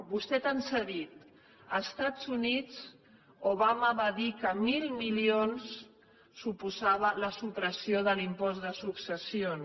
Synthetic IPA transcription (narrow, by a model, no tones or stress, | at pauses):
bust̪ɛt̪ənsəðit̪ | əst̪ad͡zunit͡s | oβaməβaðikəmilˠmilionsː | upuzaβ̞ələsupɾəsioðəlimpɔzðəsuksəsion